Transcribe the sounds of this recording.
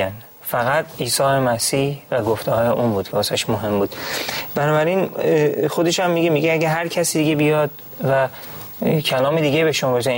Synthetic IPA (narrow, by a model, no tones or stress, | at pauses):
æn | fæɣæt̪ʰiːsɒːjemæsiːhvæɡoft̪ʰehɒːjeʔuːnbuːd̪ʰæɒsæʃmoɦe̞mbuːd̪̥bænɒːbæɾinxo̞d̪eʃhæmːiɡemiɟeæɟæɦæɾcʰæsiːd̪iɡebijɒːd̪̥ | væ | cʰælɒːmed̪iːɡebeʃumboɾse